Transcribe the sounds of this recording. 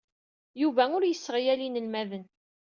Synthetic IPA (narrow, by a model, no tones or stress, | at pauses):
juvæʊɾjəsːəʁjælinəlmæðən